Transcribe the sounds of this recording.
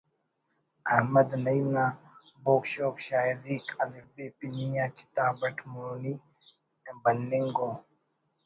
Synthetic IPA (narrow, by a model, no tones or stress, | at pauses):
ɐhmɐd̪nɐimnaː | boːkʃoːkʃaːiɾiːkʰɐlifbeːpinijãːki̥t̪aːbɐʈʰmuni | bɐnːiŋɡoː